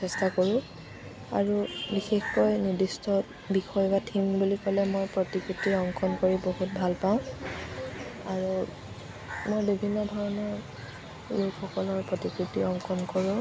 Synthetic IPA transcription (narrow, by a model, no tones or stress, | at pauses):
ɛstakoɹʊ̃ | a̰ɹubixexkɔjniɹdistɔ | bixɔjbatʰimbulikɔlɛmojpɹotikɹitiɔŋkʰɔnkoɹiboɦut̚bʱalpaʊ̃ | aɹu | mojbibʱinːɔdʱɔɹɔnɔɹ | lukʰxɔkɔlɔɹpɹɔtikɹitiɔŋkʰɔnkoɹʊ̃